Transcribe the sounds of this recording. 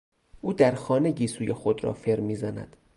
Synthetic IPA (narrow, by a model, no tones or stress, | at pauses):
ʔuːd̪æɾxɒːne̞ɟiːsuːjexod̪ɾɒ̰ːfeɾmiːzænæ̰d̪̥